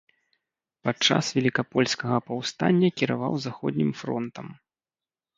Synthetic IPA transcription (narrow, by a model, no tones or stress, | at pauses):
pat͡ʂa̰svʲɛlʲikapɔlʲsʲkɐɣɐpawst̪anʲːɐkʲiɾavawzaxɔ̰d̪ʲnʲimfɾɔ̰nt̪ɐm